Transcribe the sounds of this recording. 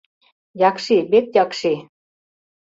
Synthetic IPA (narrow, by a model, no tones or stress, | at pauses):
jɑkʃiβet̪̚jɑkʃe